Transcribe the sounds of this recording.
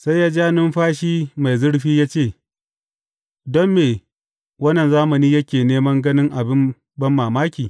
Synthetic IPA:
sa˦jaː˦d͡ʒaː˦nɪ˦mɸaː˦ʃiː˦ma˨jzʊ˦ɽɸiː˦jaː˦t͡ʃeː˦˨ | dɔ˦mːeː˨ | wɐ˦nːɐ˨nzaː˦mɐ˨niː˦jɐ˦kʲeː˨neː˦mɐ˦ŋɡɐ˦nɪ˦ŋʔa˨bɪ˦m | bɐ˦mːaː˨maː˦kʲiː˨

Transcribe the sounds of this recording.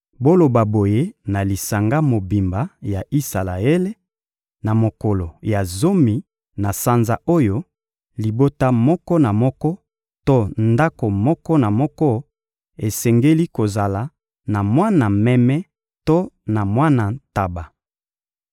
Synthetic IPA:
bo˦lo˨ba˨bo˨je˦na˨li˨sa˨ŋɡa˦mo˨bi˨mba˨ja˨ʔi˦sa˨la˨e˦le˦ | na˨mo˨kɔ˨lo˨ja˨zo˦mi˨ | na˨sa˦nza̰˨ʔo˦jo˦ | li˨bo˦ta˦mɔ˦kɔ˦na˨mɔ˦kɔ˦ | to˦nda˦ko˨mɔ˦kɔ˦na˨mɔ˦kɔ˦ | e˨sɛ˨ŋɡe˦li˦ko˨za˨la˨ | na˨mwa˦na˨mɛ˦mɛ˦ | to˦na˨mwa˦na˨ta˨ba˨

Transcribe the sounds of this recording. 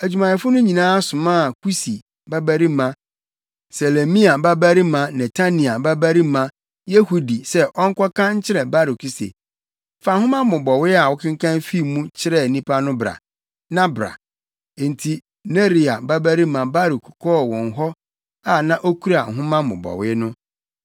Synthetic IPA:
æ˨d͡ʑᶣu˨mã˨ɛ˨fʊ˦nʊ̃˦ɲĩ˨nãː˦sʊ̃˨mãː˦a˨kʰu˦si˨ | ba˦bæ˦ɾi˦mã˨ | se˨le˨mĩ˦a˨ba˦bæ˦ɾi˦mã˨nɛ˨tʰa˦nĩ˨a˨ba˦bæ˦ɾi˦mã˨ | je˦hu˦di˨sɛ˦ʔɔ˦ŋ̩˦kʰɔ˦kʰã˦ɲ̩˦t͡ɕʰɪ˦ɾɛ˨ba˦ɾu˨ku˨sḛ˨ | fa˨hʊ̃˦mã˦mʊ̃˨bɔ˨wɪ˦a˨wɔ˦kʰɪ̃˦ŋ˦kʰã˦nfi˦˨mũ˦t͡ɕʰɪ˦ɾɛ˨nĩ˦pʰa˦nʊ̃˦bɾa̰˨ | nã˦bɾa̰˨ | n̩˨tʰi˦ | ne˦ɾi˨a˨ba˦bæ˦ɾi˦mã˨ba˦ɾu˨kʰkʰɔ˦˨wɔ̃˨ŋ˨ɦɔ˦ | a˨nã˦ʔo˦kʰu˦ɾa˨ɦʊ̃˦mã˦mʊ̰̃˨bɔ̰˨wɪ˦nʊ̃˦

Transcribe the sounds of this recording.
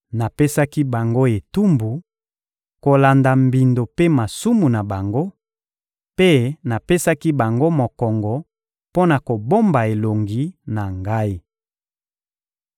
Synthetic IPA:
na˨pe˦sa˦ki˦ba˨ŋɡo˦e˨tu˦mbu˨ | ko˨la˨nda˨mbi˨ndo˨pe˦ma˨su˦mu˨na˨ba˨ŋɡo˦ | pe˦na˨pe˦sa˦ki˦ba˨ŋɡo˦mo˨kɔ˨ŋɡɔ˨ | po˦na˨ko˨bo˦mba˨e˨lo˨ŋɡi˦na˨ŋɡa˦i˦

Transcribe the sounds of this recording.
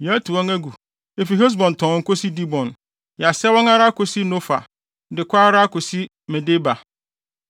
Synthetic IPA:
jtʰu˨wɔ̃˦ŋæ˦ɡu˨ | e˨fi˨ɦe˦s̬bɔ̃˨n˨tʰɔ̃˨ŋ̩˦ko˦si˦di˦bɔ̃˨n | ja˨sɛ˦wɔ̃˦ŋa˦ɾa˦ko˨si˦nõ˦fa̰˨ | dɪ˨kʷa˦ɾa˦a˦ko˨si˦ | mɛ̃˨de˦ba˨

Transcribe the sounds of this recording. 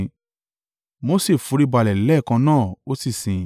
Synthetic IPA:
mo˦se˦˨fũ˨˦ɾi˦ba˧˨lɛ˨lɛ˦˨kã˧nãː˦˨o˦si˦˨sĩ˨

